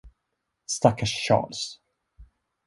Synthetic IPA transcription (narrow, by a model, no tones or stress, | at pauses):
st̪akʰaʂːɑ̰ːls